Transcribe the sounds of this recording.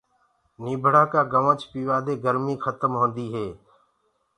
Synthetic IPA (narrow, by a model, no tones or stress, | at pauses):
niːbʱəɽaːkaːɡəʋə̃t͡ʃpiːʋaːd̪eːɡəɾmiːxət̪əmɦõːnd̪iːɦeː